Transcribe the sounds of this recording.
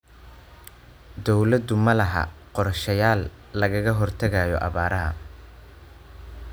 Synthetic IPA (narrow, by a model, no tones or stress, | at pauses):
d̪ɔwlɐd̪ʊmɐlɐɦɐ̰qɔrʃɐjaːlː | ɐɣɐɣɐɦɔrt̪ʰɐɣajɔʔɑ̰βaːɾɐɦɐ̰